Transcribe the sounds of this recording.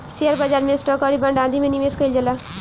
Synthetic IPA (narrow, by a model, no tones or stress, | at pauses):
siəɾbad͡ʒaːɾmẽsʈɔːkɔɽibɐɳɖãːnd̪imẽniʋeskəild͡ʒəla